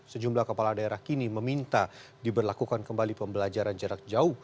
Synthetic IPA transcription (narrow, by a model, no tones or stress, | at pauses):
səd͡ʒumblahkəpaladaeɾahkiniməmint̪a | dibərlakukankəmbalipəmbəlad͡ʒaɾand͡ʒəɾak̚d͡ʒau